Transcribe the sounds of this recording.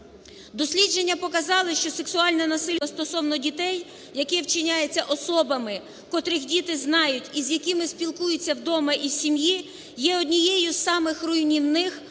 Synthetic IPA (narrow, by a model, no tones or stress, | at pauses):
d̪ɔsʲlʲid͡ʒe̞nʲːɐpɔkɐzɑlˠɪʃt͡ʃɔse̞ksʊɑlʲnɛnɐsɪlʲst̪ɔsɔwnɔdʲit̪ɛj | jɐkɛwt͡ʃɪnʲajet͡sʲːɐʔɔsɔbɐmɪ | kɔt̪ɾɪxdʲit̪ɪznɑjʊtʲizjɐkɪmɪsʲpʲilˠkujɪt͡sʲːɐwd̪ɔmɐʔiwsʲimji | jɛɔdʲnʲijɛjʊsɑmɪxrʊjnʲinnːɪx